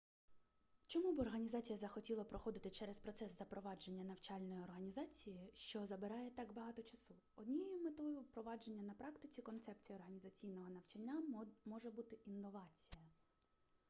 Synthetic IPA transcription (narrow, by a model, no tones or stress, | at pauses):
t͡ʃɔmubɨɔrɦɐnʲizɑt͡sʲijɐzɐxɔtʲilˠɐpɾɔxɔd̪ɪt̪ɪt͡ʃɛɾɛspɾɔt̪sɛszɐpɾɔʋɑd͡ʒe̞nʲːɐnɐwt͡ʃɑlʲnɔjiɔrɦɐnʲizɑt͡sʲijiʃt͡ʃɔzɐbɪɾɑjɛt̪ɑɡbɐɦɑt̪ɔt͡ʃɐsu | ɔd̪ʲnʲijejʊmet̪ɔjʊpɾɔʋɑd͡ʒe̞nʲːɐnɐpɾɑkt̪ɪt͡sʲikɔnt̪sɛp̚t͡sʲijɐːrɦɐnʲizɐt͡sʲijnɔɦɔnɐwt͡ʃɐnʲːamɔʒɛbut̪ɪʔinːɔʋɑt͡sʲijɐ